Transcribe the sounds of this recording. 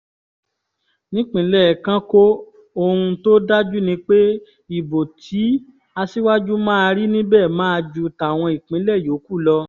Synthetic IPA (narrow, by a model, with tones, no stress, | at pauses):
nĩ˦k͡pĩ˨˦lɛ˦˨kã˦ko˦ | o˧ɾũ˧to˦da˦d͡ʒu˦nĩ˧k͡pe˦ | i˨bo˨tʰi˨˦ | a˧si˦wa˦d͡ʒu˦mãː˦a˧ɾi˦nĩ˦bɛː˦˨mãː˦a˧d͡ʒu˦ta˨w̃ɔ̃˧i˨k͡pĩ˨˦lɛ˦˨jo˨˦ku˦˨lɔ˧